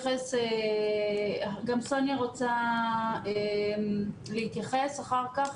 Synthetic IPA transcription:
χese | ɡamso̞njaʁot͡sa | e | leit̪jaχesaχaʁkaχ

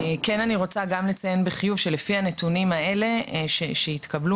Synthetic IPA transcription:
eke̞naniʁo̞t͡saɡamle̞t͡saje̞nbeχijuvʃe̞lefianetunimae̞le̞ʃeʃeit̪kɐblu

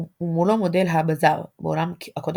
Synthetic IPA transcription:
umulomod̪elɦabazaʁbeolamkakod̪

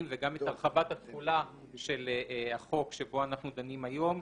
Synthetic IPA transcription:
mveɡamet̪aʁχabat̪hat̪χula | ʃe̞laχo̞kʃebo̞anaχnud̪animajo̞m

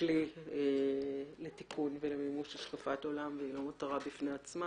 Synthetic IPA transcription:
lieletikʰunvelemimuʃaʃkafato̞lamveilo̞mataʁabifneat͡sma

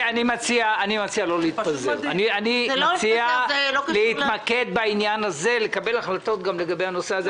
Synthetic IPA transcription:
animat͡siaːnimat͡sialo̞leit̪pazeʁanianimat͡sialolehit̪make̞d̪̚bainjanaze̞lekabe̞laχlat̪o̞t̪ɡamle̞ɡabehano̞seaze

